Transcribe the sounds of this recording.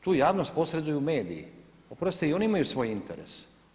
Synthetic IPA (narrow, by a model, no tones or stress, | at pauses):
t̪uːjaːʋnost̪̚po̞sɾe̞d̪ujume̞ːd̪ḭjḭ | opɾost̪oio̞niimajusʋo̞ːjint̪eɾḛs